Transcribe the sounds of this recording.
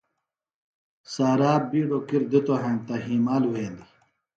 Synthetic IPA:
saːɾaːbiːɖokiɾd̪it̪oɦent̪ɐɦiːmaːlweːd̪i

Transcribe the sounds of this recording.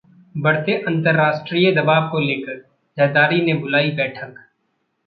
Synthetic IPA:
bɐɽt̪eʔɐ̃nt̪əɾːaːsʈɾiːed̪ɐbaːbkoleːkəɾ | d͡ʒɛːd̪aːɾinẽbʊlaːibɛːʈʰək

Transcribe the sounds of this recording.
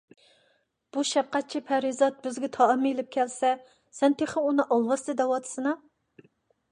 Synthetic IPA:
b̥uʃɛp̚qɛt̪̚t͡ʃʰipʰæɾizɑt̪̚bɪzɡʲɛt̪ʰɑːmːilɪp̚kʲʰɛlsɛ | sɛnt̪ʰeχɪunɨʔɑlˠwɑst̪ɨd̪ɛwɑt̪ʰɨ̥sɨnɑ

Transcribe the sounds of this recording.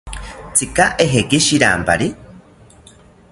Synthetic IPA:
t͡sʰikaʔeɦekiʃiɾa̰ːmpa̰ɾi

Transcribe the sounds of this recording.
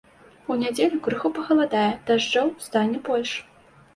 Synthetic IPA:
unʲad͡zʲelʲʊkɾɨxupɐɣɐlˠad̪ajɛd̪̥aʐd͡ʐawst̪anʲːɛbɔlʲʂ

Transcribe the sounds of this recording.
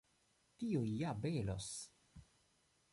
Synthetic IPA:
tiojjabelo̰s

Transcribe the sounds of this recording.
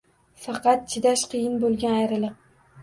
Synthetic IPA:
fɑqɑt̪̚t͡ʃʰɪd̪aʃqʰɨjɪnbolˠɡʲanajɾɪlɪq

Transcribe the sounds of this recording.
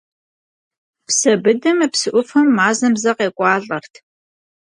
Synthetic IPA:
psɐbɨdɐmɐpsɨʔʷʊfɐmːaːzɐmzɐqeːkʷʼɑːɬʼɐrtʰ

